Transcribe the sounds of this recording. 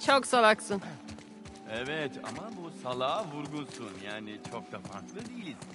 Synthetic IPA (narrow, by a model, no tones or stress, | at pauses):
t͡ʃʰoksabaksɯn | ɛvɛt̪ʰa̰mabusalˠaːvuɾɡunsunjaːnit͡ʃʰo̞k̚d̪afaɾklˠɯd̪ilʲz̥